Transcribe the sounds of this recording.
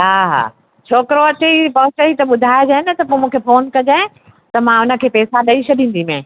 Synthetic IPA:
ɦaːɦa̰ː | t͡ɕʰoːkɪɾoɐt͡ɕeipɐɦʊt͡ɕəit̪ɐɓʊd̪ʱaːjed͡ʑaːɦɪnɐt̪ɐpoːmũːkʰefoːnkɐd͡ʑã | t̪ɐmãʊnə̆kʰeːpɛːsaɗɐiʃʰɐɗĩːn̆d̪imẽː

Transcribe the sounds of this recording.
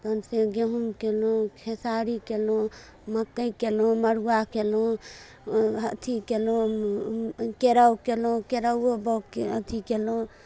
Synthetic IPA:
t̪ənseɡeɦumkelõkʰesaɾikelõ | məkːəikelõməɽ̤uwakelõ | ət̪ʰikelõ | keɾəwkelõkeɾəwobəwkət̪ʰikelõ

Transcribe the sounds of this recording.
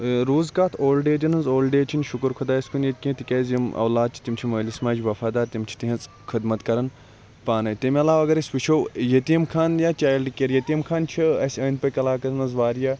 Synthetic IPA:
ɾuːzkaːt̪ʰoːlɖeːd͡ʒɐnɐnzoːlɖeːt͡ʃʰinʃukɨɾkʰud̪aːɐsʲkʰunjet̪̚kʲĩt̪ikʲɐzjimɐ̰wlaːd̪̚t͡ʃʰi̥t̪imt͡ʃʰiməːlismaːd͡ʒʋɐfaːd̪aːɾt̪imt͡ʃʰi̥t̪iɦɐ̃nz | kʰid̪mɐt̪kɐɾɐn | paːnɐjt̪imɐlaːʋɐɡɐɾesʲʋit͡ʃʰowjet̪iɐmkʰaːnjaːt͡ʃaːjlɖkeɾjet̪imkʰaːnt͡ʃʰiɐsʲɐːnpɐkɐlaːkɐɾnɐzʋaːɾjaː

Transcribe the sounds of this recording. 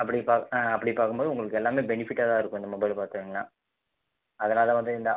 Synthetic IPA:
ɐpːɐɽipaːɐpːɐɽipaːkɯmboːðɯʊŋɡɐɭɯkːɛlːaːmeːbɛnɪfɪʈːaːðaːɪɾɯkːʊ̃ɪnd̪ɐmɐbɐɪlpaːɾt̪ɯʋiːŋɡɐɭa̰ː | ɐðɐnaːlɐʋɐnd̪ɯɪnd̪ɐ

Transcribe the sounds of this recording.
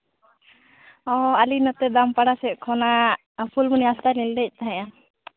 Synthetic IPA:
ɔ̃alinɔt̪ɛd̪ampaɽasɛʔ̚kʰɔna | pʰulmuniast̪aɾnild̪ɛc̚ˀt̪aɦɛ̃ja

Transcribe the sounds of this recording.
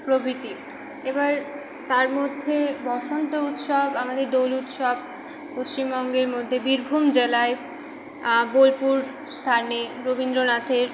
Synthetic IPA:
pɾobʱit̪i | ebaɾ | t̪aɾmod̪ʱːebɔʃont̪out̪ʃɔbamad̪eɾd̪owlut̪ʃɔb̚ | post͡ɕimbɔŋɡeɾmod̪ʱːebiɾbʱumd͡ʑelae | bolpuɾ | st̪ʰaneɾobind̪ɾonat̪ʰeɾ

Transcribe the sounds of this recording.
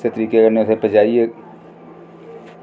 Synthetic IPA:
set̪əɾiːkeɡəɾneʊsepəd͡ʒaːie

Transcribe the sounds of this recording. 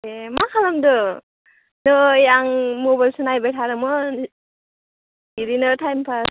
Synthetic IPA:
emakʰalamdɯ | nɯjaŋmobajlsɯnajbajtʰaɾɯmɔ | iɾinɯtʰajmpʰa

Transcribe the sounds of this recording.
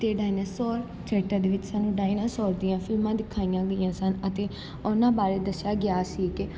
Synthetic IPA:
t̪eːɖaːinəsɔːɾ | t͡ʃɛːʈːəd̪eːʋɪt͡ʃsaːnũːɖaːinəsɔːɾd̪ɪjãːfʰɪlmãːd̪ɪkʰːaːijãːɡəijãːsənət̪eː | onãːbaːɾeːd̪əsjaːɡɪaːsiːkɪ

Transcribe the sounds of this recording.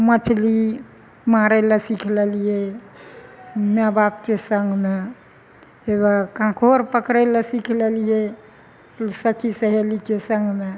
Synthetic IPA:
mət͡ʃʰli | maɾɛlasikʰlelije | mɛbap̚kesəŋɡme | ebakãkʰoɾpəkɾɛlasikʰlelije | səkisəɦelikesəŋɡme

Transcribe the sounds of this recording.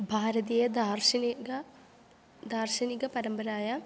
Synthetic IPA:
bʱaːɾɐðijed̪aːrɕɐniɡɐ | d̪aːrɕɐniɣɐpɐɾɐmbɐɾaːjɐ

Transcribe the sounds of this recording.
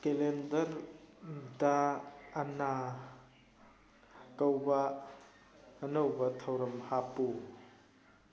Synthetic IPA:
kelɛndɐɾ | daː | na | kɐwba | nowbat̪ʰɐwɾɐmhapu

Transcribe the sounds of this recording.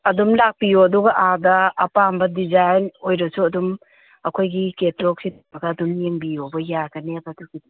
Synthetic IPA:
ɐdumlak̚pijoɐduɡɐʔadɐːpambɐdizajnojɾɐsuɐdum | ɐkʰojɡiketɾɔk̚sitmɐkaːdumjeŋbijɔbɐjaɡɐnebɐduɡi

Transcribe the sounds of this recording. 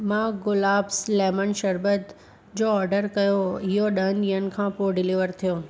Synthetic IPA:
mãɡʊlaːbslɛːmənʃɐɾbət̪ | d͡ʑoːɔːɾɖəɾkɐjoɪɦoɗəənɪɦənɪ̆kʰãːpoɖɪliʋəɾt̪ʰijoː

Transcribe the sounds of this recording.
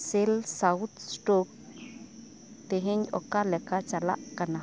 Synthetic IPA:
selsawt̪sʈok | t̪eɦeɲokalekat͡ʃala̰ʔkana

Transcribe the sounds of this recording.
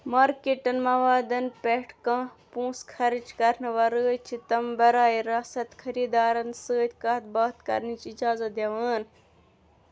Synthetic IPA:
maːɾkeʈɐnmɐʋaːd̪ɐnpeʈʰkãːpũːskʰɐɾid͡ʒkɐɾnɐʋɐɾɨːt͡ʃʰit̪ɐmbɐɾaːiɾɐsɐt̪kʰɐɾiːd̪aːɾɐnsɨːt̪ʰʲkɐt̪̚bɐːt̪kɐ̰ɾnit͡ʃid͡ʒaːzɐt̪̚d̪eʋaːn

